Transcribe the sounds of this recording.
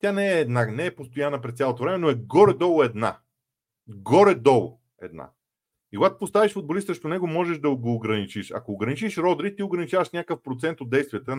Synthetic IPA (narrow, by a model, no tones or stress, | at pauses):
t̪ʲjanɛːd̪nanɛːpost̪ojanəpɾɛst̪sʲalˠot̪ovɾɛmɛnoɛɡɔɾɛd̪ɔlˠoɛd̪na̰ | ɡɔɾɛd̪ɔlˠo̰ | ɛ̰d̪na̰ | ikoɡat̪o̥post̪aviʃfod̪̚bolisəʃt̪onɛɡomɔʒɛʒd̪ɐɡoːɡɾɐnit͡ʃiʃɐ̰koːɡɾɐnit͡ʃiʃɾɔd̪ɾit̪ioɡɾɐnit͡ʃavəʃnʲakəfpɾot̪sɛnt̪od̪̚ɛjst̪vʲiət̪ə